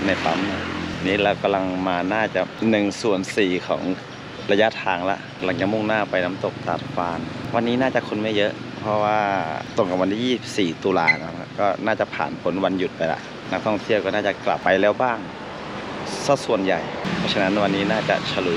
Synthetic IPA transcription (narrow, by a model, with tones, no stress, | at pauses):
na˧˩jt̪a˧˥m˧niː˦˥lɛː˧˩wka˧mla˧ŋmaː˧naː˥˩t͡ɕa˧˩nɯ˨˩ŋsu˨˩ənsiː˨˩kʰɔ̰ː˩˦ŋ | la˧ja˦˧˥t̪ʰaː˧ŋla̰˧˥ʔka˧la˧ŋt͡ɕa˨˩mu˧˥˩ŋnaː˥˩pa˧jna˦˥mt̪o˨˩k̚t̪a̰˨˩t̪̚faː˧nwa˧nːiː˦˥naː˥˩t͡ɕa˨˩ʔkʰo˧˥nmɯ˧˥˨jɤ˦˥ʔ | pʰɔ˧waː˧t̪o˧˩ŋka˧˩wa˧nt̪ʰiː˥˧˨iː˥˩i˨˩p̚siː˨˩t̪uː˧la̰ː˧˩na˧˥˩kʰa˧˥kɔː˥˩naː˥˩t͡ɕa˨˩pʰa̰ː˨˩npʰo˩˦nwa˧nju˨˩t̪̚pa˧jla̰˧˥ʔ | na˦˥k̚t̪ʰɔ˥˩ŋt̪ʰi˥˩ə˨wkɔː˥˩naː˥˩t͡ɕa˨˩kla̰˨˩pːa˧jlɛː˧˩wbaː˥˩ŋ | sa˧˥˩su˨˩ənja̰˨˩jpʰɔː˧˥t͡ɕʰa˧na˦˥nwa˧nːiː˦˥naː˥˩t͡ɕa̰˨˩ʔsʰa˧lu˨˩